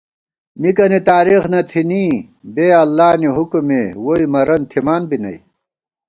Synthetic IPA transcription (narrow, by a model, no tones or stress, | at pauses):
mikɐnit̪aːɾixnɐt̪ʰiniː | beːɐlːaːniɦukumewoimɐɾɐnt̪ʰimaːnbinɐ̰i